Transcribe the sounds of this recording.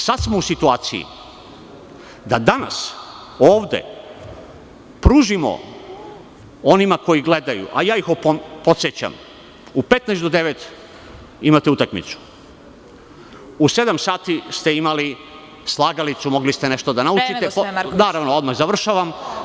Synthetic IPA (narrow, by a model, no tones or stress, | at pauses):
sad̪t̪smousit̪uaːt̪sijḭ | d̪ad̪ana̰s | oːʋd̪ḛ | pɾuːʒimo̰ | o̞nimako̞jiɡle̞d̪ajṵʔajaːixopopot̪set͡ɕa̰m | upe̞t̪najsd̪o̞d̪e̞ʋet̪ | imat̪eut̪akmḭt̪su̥ | use̞d̪amsaːt̪ist̪e̞imali | slˠaɡalit̪sumo̞ɡlist̪ene̞ʃt̪o̞d̪anaut͡ʃit̪epnaːɾaʋnood̪maxzaʋr̩ʃaʋam